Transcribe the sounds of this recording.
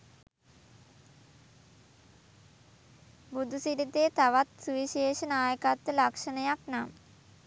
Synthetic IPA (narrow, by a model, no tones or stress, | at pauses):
bud̪ʱusiɾit̪eːt̪aʋat̪suʋiʃeːʃənaːjəkat̪ʋəlakʂənəjaknamə